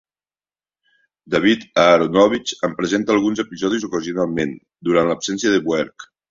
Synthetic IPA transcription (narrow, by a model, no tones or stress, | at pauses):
d̪aβit̪aɾonɔβit͡ʃəmpɾəzent̪aːlˠɣunzəpizɔð̞izukəziunalˠmen | d̪uɾanləpsɛnsiəðəβwɛɾk